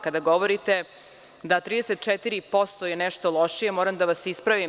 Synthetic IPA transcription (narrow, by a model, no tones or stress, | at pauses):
kad̪aɡo̞ʋo̞ɾit̪e̞ | d̪at̪ɾiːd̪eset̪̚t͡ʃet̪iɾipo̞st̪ojenɛʃt̪o̞lˠo̞ʃije̞moːɾamd̪aʋasispɾaʋim